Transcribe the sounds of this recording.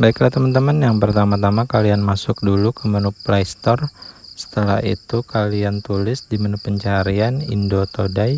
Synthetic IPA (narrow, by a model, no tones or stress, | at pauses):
baɪklat̪əmənt̪əmənjaŋpərt̪amat̪amakalianmasʊk̚dulukəmənuplaist̪ɔrsə̥t̪əla̰hḭt̪ukaliant̪ulɪsdimənupːəɲt͡ʃaɾianḭndot̪odaj